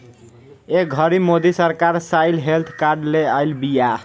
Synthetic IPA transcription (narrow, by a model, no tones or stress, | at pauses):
eɡʱəɾimod̪isəɾkaɾsajlɦelt̪ʰkaɾɖleəjlbija